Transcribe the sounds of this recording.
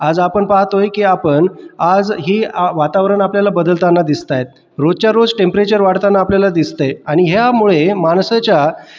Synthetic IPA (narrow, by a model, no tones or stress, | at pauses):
ad͡zapəɳpaɦt̪ɦojkiːapəɳad͡zɦiːʋat̪aʋɾəɳapljalabəd̪əlt̪anːad̪ist̪ajet̪̚ | ɾod͡zt͡ɕjaɾod͡zʈempɾet͡ɕəɾʋaɽt̪anːaːpljalad̪ist̪eaɽ̃iɦejamuɭemaɳsat͡ɕja